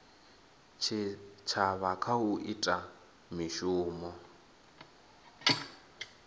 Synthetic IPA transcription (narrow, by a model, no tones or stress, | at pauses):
t͡ʃʰit͡ʃʰaβakʰauʔitʼa | miʃuːmɔ